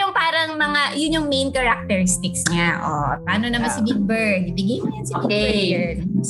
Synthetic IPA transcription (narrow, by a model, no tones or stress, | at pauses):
jʊŋpaːɾɐŋmɐŋajʊnjʊŋmejnkɐɾɐk̚t̪ɛɾɪst̪ɪksɲaʔopaːnonɐmansɐbiɡ̚bɛɹd̪̚ibɪɡiŋɐnsioiɡbɛd̪